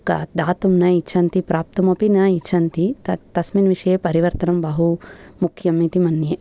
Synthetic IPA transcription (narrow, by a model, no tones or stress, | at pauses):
kɐd̪aːt̪umnɐit͡ʃʰɐnt̪ipɾaːp̚t̪ɐmɐpinɐit͡ʃʰɐnt̪it̪ɐt̪ɐsminʋiʂɐjepɐɾiʋɐɾt̪ɐnɐmbɐɦumukʰjɐmit̪imɐnje